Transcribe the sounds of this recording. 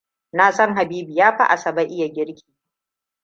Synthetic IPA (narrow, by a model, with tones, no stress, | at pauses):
naː˨sɔ˦ŋɦa˨biː˦bi˨jaː˦ɸa̰˦ʔa˨sɐ˨ba˦ʔɪ˦ja˨ɡʲɪ˦ɽkʲʰi̥ː˨